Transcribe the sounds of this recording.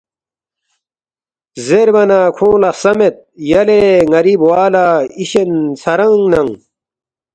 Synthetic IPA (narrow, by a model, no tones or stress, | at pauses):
zeɾbɐnaːkʰõːlɐsɐmet̪̚jɐleŋɐɾiːbwaːlaiɕensɐɾɐŋnɐŋ